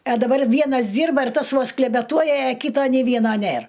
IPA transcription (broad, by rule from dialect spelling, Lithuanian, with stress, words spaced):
ɐ dɐˈbɐr ˈʋʲiɛnɐs ˈdʲiːrbɐ ɪr ˈtɐs ˈʋoːs klʲɛbʲɛˈtuɔjɛ ɐˈkʲiːtoː nʲeː ˈʋʲiɛnoː ˈnʲeːr